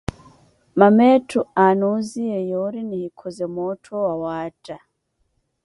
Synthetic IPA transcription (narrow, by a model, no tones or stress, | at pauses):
mametuanuzijejoɾinihikʰozemotʰowawaːta